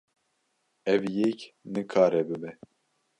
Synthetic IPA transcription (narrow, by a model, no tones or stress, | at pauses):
ɛvjɛknɨkʰaːɾɛbɨbɛ